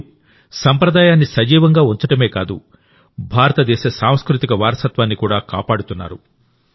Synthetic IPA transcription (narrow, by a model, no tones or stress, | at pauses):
sɐmpɾɐd̪aːjaːnːisɐd͡ʒiːʋɐŋɡaːuɲt͡ʃɐʈɐme̞ːkaːd̪ṵ | bʱaːɾɐt̪ɐd̪ɛːʃɐsaːm̃skɾut̪ikɐʋaːɾɐsɐt̪ʋaːnːikuːɽaːkaːpaːɽut̪unːa̰ːɾu